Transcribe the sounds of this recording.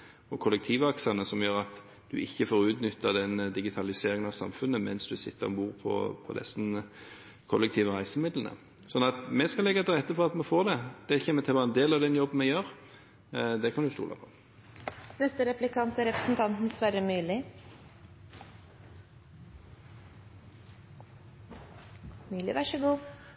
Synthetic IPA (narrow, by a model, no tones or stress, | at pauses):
ɔkʰɔlːɛk̚t̪ʰiːʋɑksɑnəsɔmjøːɾɑt̪ | d̪̥ʉɪçːəfoːʁʉːt̪nʏt̪ːəd̪ɛnd̪ɪɡɪt̪ʰɑlɪseːɾɪŋənɑʋsɑ̰mfʉnːəmɛnsd̪ʉsɪ̰t̪ːə̰ʁɔbuːʁpʰɔ̰pʰɔ̰d̪ɛ̰sn | kʰɔ̰lːɛk̚t̪ʰiːʋəʁæɪsəmɪd̪lənə̰ | sɔnɑt̪mɛskɑlɛɡɑt̪ʰɪlʁɛt̪ːəfɔʁɑt̪mɛfoːʁd̪ɛd̪̥ɛçɛːmət̪ʰɪlbɑːʁɛnd̪eːlɑʋd̪ɛnjɔbn̩mɛjøːʁ | d̪ɛkʰɑnd̪ʊst̪ṵːlɑ̰pʰɔ̥ | nɛst̪əɾɛplɪkʰɑnt̪æɾɛpɾə̥sn̩t̪ʰɑnt̪n̩sʋæɾəmyːlɪ | mʉːlɪʋɑʂəɡuː